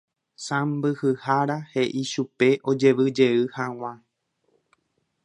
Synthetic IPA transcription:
sãmbɨhɨhaɾahe̞ʔiʃupe̞ʔo̞d͡ʒe̞ʋɨd͡ʒe̞ɨhãw̃ã

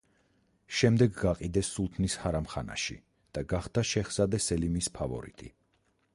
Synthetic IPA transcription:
ʃɛmd̪ɛɡɡaqʼid̪ɛsːulˠt̪ʰnishaɾamχana̰ʃḭ | d̪̥aɡaχd̪aʃɛχsad̪ɛsɛlimispʰavɔ̰ɾḭt̪ʰʼḭ

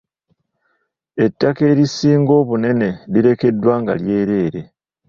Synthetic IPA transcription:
e̞tːake̞ːɾisːiːŋɡo̞ːβune̞ne̞liɾe̞ke̞dːwaːŋɡa̰lje̞ːɾe̞ːɾe̞

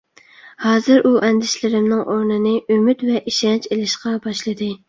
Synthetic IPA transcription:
hɑːzɨɾʔuʔɛnd̪ɪʃlɪɾɪmnɪŋʔoɾnɨnɪʔymyt̪vɛʔiʃɛnt͡ʃelɪʃqɑbɑʃlˠɨd̪ɨ

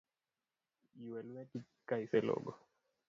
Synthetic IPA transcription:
jwɛlwɛti | kaiselɔ̰ɡɔ

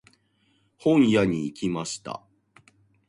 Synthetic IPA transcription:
hõ̞ɰ̃jaɲ̟iːkʲimaɕi̥t̪a̰

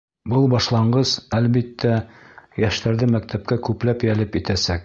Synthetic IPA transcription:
bɤlˠbɑʃlˠɑɴɢɤz̥ælβit̪ʰːæjæʃt̪æɾðɘmæk̚t̪ʰæp̚kækʉplæpjælɘpit̪æsæk̚

